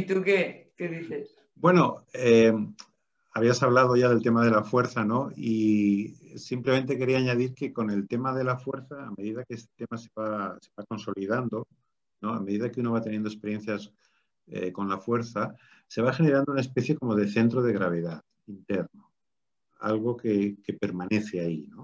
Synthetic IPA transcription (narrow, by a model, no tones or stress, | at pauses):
it̪ukekeðiθes | bwe̞no̞e | aβ̞iasaβ̞lað̞o̞ʝaðe̞lt̪emað̞e̞lafwe̞ɾθano̞i | simple̞ment̪e̞ke̞ɾiaːɲað̞iɾke̞ko̞ne̞lt̪e̞maðe̞lafwe̞ɾθaːme̞ðiðakeest̪e̞̥t̪e̞mase̞βase̞βako̞nso̞liðand̪o̞ | no̞a̰me̞ðiðakeuno̞βat̪e̞njend̪oe̞spe̞ɾje̞nθjas | ḛko̞nlafwe̞ɾθa | se̞β̞axe̞ne̞ɾand̪ounaespe̞θjeko̞mo̞ð̞e̞θe̞nt̪ɾoð̞e̞ɣ̞ɾaβ̞e̞ðað | int̪eɾno | a̰lɣo̞keke̞pe̞ɾmane̞θeaino